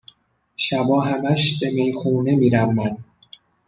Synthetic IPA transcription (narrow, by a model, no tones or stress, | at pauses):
ʃæbɒːɦæmæʃbe̞mejxuːne̞miːɾævmæn